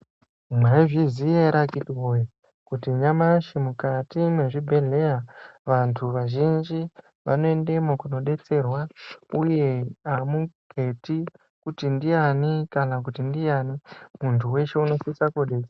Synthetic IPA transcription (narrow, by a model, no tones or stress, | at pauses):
mwaiʐizieɾakitwoja | kutiɲamaʃimukatimwe̞ʐibʱe̞ɮe̞jaʋantʰuʋaʒind͡ʒi | ʋa̰no̞endemwakuno̞ɗe̞t͡se̞rwauje̞amuɡ̥ʱe̞ti | kutindijanikanak̬utindijanimuntʰuwe̞ʃe̞uno̞fisakoɗeka